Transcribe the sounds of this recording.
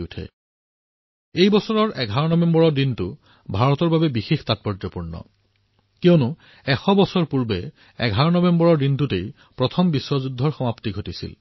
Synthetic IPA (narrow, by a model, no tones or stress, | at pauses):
utʰɛ̰ | ejbɔsɔɹɔɹʔɛɡʱaɹɔnɔbɛmbɔɹɔɹdintʊ | bʱaɹɔtɔɹbabɛbixixtat̚pɔɹd͡ʒɔpuɹnɔ̰ | kionʊ | ɛxɔbɔsɔɹpuɹbɛ | ɛ̰ɡʱaɹɔnɔbɛmbɔɹɔɹdintʊtej | pɹɔtʰɔmbiswɔzudʱːɔɹxɔmaptiɡʱotisḭl